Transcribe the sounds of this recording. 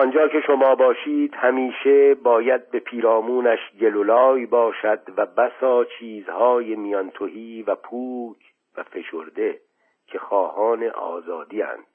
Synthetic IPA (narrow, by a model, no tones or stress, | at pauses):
ɒnd͡ʒɒːkʰe̞ʃomɒːbɒːʃiːd̪̥hæmiːʃe̞bɒːjæd̪̚be̞pʰiːɾɒːmuːnæʃɟe̞lolɒːjbɒːʃæd̪væbæsɒːt͡ʃʰiːzhɒːjemijɒnt̪ʰohiːvæpʰuːkʰ | væfe̞ʃoɾd̪e̞ | cʰexɒːhɒːne̞ʔɒ̰ːzɒːd̪iːæ̰nd̪̥